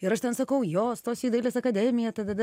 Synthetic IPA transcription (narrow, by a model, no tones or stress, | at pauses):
ɪɾɐʃt̪ʲɛnsɐkɐʊjoːst̪oːsiːd̪ɐɪlʲeːsɐkɐd̪ʲæːmʲɪjɛt̪ɐt̪ɐd̪ɐ